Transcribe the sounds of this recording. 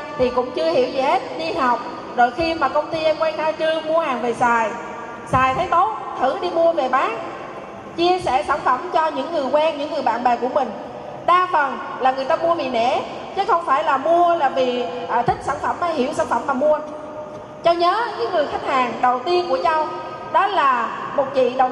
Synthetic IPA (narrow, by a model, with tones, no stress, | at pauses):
t̪ʰi˨˩kʊ̰˧˥ŋ͡mt͡ɕɨ˧əhḭ˧˩wzɛ̰˧˩he˦˥t̚ɗi˧ɦa˨˩wk͡p̚ | zo̰˧˨jxi˧maː˨˩kə˧wŋ͡mt̪i˧ʔkwɛː˧ŋt̪ʰaː˧jt͡ɕɨ˧əmu˧əhaː˨˩ŋve˨˩saː˨˩j | saː˨˩jt̪ʰə˨˦jt̪o˦˥t̚t̪ʰɨ˧˩ɗi˧mu˧əve˨˩ɓaː˨˦˥ŋ̚ | t͡ɕi˧əsɛ̰˧˩saː˧˩nfə˧˩mt͡ɕɔ˧ɲɨ̰˧˥ŋːɨ˨˩əjkwɛː˧nɲɨ̰˧˥ŋːɨ˨˩əjɓa̰ː˧˨nɓɛː˨˩ku˧˩əmï˨˩ŋ̟ | ɗaː˧fə˨˩nlaː˨˩ŋɨ˨˩əjt̪aː˧mu˧əɓḭ˨nɛ̰˧˥ | t͡ɕɨ˨˦xə˧wŋ͡mfaː˧˩jlaː˨˩mu˧əlaː˨˩vḭ˨˩˨ʔt̪ʰï˦˥k̚saː˧˩nfə˧˩mʔa˧˦hḭ˧˩əwsaː˧˩nfə˧˩maː˨˩mu˧ə | t͡ɕɔ˧ɲəː˨˦ɲɨ̰˧˥˦ŋːɨ˨˩əjxa˦˥jk̚haː˨˩ŋɗə˨˩wt̪i˧ənku˧˩ət͡ɕa˧w | ɗɔ˨˦˥laː˨˩mo˨˩t̚t͡ɕḭ˧˨ɗə˨˩w